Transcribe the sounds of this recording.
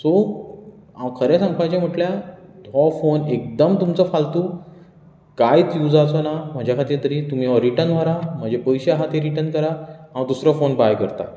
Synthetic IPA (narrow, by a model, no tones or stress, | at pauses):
so | aʋkʰəɾesə̃mkʰat͡ɕam̤əʈljad̪ʱɔfonek̚d̪əmt̪umt͡səfalt̪u | kajt͡sjud͡zat͡sɔnam̤əd͡ʑʱjakʰat̪iːɾt̪əɾiːt̪um̤iɔɾiʈənʋ̤əɾam̤əɳd͡zepəjɕeaɦat̪eɾiʈənkəɾaãʋd̪usɾɔfonbajkəɾt̪a̰